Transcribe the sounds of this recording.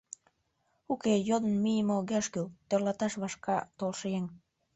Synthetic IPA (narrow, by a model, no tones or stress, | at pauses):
ukejod̪ənmijəmoɣæʃkylt̪ørlɑt̪ɑʃβɑʃkɑt̪olʃeŋ